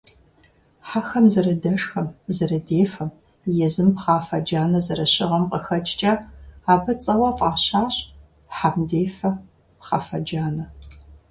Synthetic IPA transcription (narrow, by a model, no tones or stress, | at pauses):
ħaxɐmzɐɾɐdɐʂxɐmzɐrɐdeːfɐm | jɛzɨmpχɑːfɐd͡ʒaːnɐzɐɾɐɕɪʁɐmqəxɐt͡ʃʼt͡ʃʼɐaːbɐt͡sʼɐwɐfʼaːɕaːɕ | ħamdeːfɐ | pχɑ̰ːfɐd͡ʒaːnɐ